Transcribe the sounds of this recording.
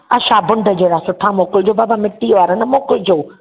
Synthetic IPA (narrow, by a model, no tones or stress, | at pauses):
ɐʃaːbʊ̃ɳɖʱəd͡ʑeːɽasʊʈʰamoːkɪld͡ʑoːbaːbamɪʈːiʋaːɾənɐmoːkɪld͡ʑoː